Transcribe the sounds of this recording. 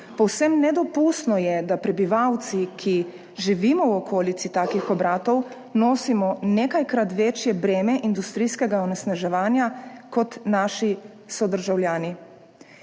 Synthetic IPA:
pɔwsɛmnɛd̪ɔpust̪nɔjɛd̪apɾɛbiʋawt̪sikʰi | ʒiʋimɔwɔkʰoːlit̪sit̪aːkixɔbɾaːt̪ɔw | noːsimɔneːkajkɾat̪ʋet͡ʃjɛbɾeːmɛʔind̪ust̪ɾijskɛɡaɔnɛsnaʒɛʋaːnjakɔt̪naːʃi | sɔd̪əɾʒawljaːni

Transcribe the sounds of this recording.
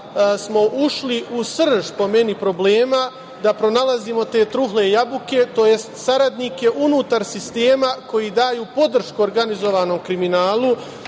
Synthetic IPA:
smo̞ʔuʃliusr̩ʒpo̞me̞nipɾo̞ble̞ːma | d̪apɾo̞nalˠazimo̞t̪e̞ːt̪ɾuɦle̞jabuke̞t̪o̞je̞st̪saɾad̪nike̞ʔunuːt̪aɾsist̪e̞ːmako̞jiːd̪aːjuːpo̞d̪r̩ʃkuoɾɡanizo̞ʋaːno̞mkɾiminaːlˠu

